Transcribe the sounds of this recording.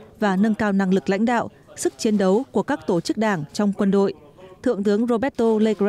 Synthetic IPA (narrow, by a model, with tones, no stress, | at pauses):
vaː˨˩nə˧nkaː˧wna˧˩ŋlɨ˨˩k̚la̰˧˥jŋ̟ɗa̰ː˧˨w | sɨ˦˥k̚t͡ɕi˨˦ənɗə˨˦wku˧˩əkaː˦˥k̚t̪o˧˩t͡ɕɨ˦˥k̚ɗaː˧˩ŋt͡ɕɔ˧wŋ͡mkwə˧nɗo̰˧˨j | t̪ʰɨ̰˧˨əŋt̪ɨ˨˦əŋzo˧ɓɛ˦˥t̚t̪o˧le˧k